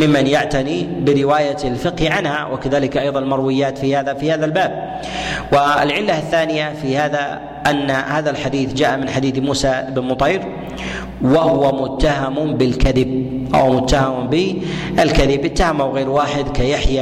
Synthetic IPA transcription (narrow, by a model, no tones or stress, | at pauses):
mɪmːanjaʕt̪anibɪɾɪwaːjalfɪqhiʕanha̰wʔɪkaðaːlɪkʔɑjðˤɑnlmɑɾˤwɪjːaːt̪fihaːðafihaːðalbaːb̚ | wɪɪ̰lʕɪlːaθːaːnɪjafihaːða | ʔanːahaːðalħad̪iːθd͡ʒaːʔamɪnħad̪iːd̪muːsaʔɪbnmʊt̪ˤɑːɾ | wahʊwamʊt̪ːahamʊbɪlkaðɪb̚ʔa̰wmʊt̪ːahambɪʔɪlkaðɪbʔɪt̪ːahamʔawɣeːɾwaːħɪd̪kajaħja